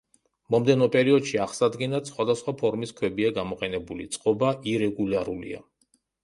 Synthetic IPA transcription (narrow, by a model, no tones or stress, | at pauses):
mɔmd̪ɛnɔpʼɛɾiɔd̪ʃiaχsad̪ɡɛnat̪sχwad̪asχwapʰɔɾmiskʰwɛbiaɡamɔqʼɛnɛbulit̪sʼqʼɔbaʔiɾɛɡulaɾulḭa̰